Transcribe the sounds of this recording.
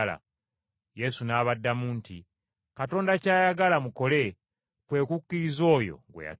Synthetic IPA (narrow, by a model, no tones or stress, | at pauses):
la̰ | je̞sunaːβadːamuːnti | kato̞ːndacaːjaɡalamuko̞le̞ | pwe̞ːkukːiɾizo̞ːjo̞̰ŋɡwḛja̰